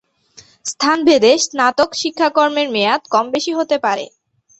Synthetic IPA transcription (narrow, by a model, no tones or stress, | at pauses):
st̪ʰanbʱed̪eʃnat̪okʃikʰːakoɾmeɾmeat̪kɔmbeʃiɦot̪epaɾḛ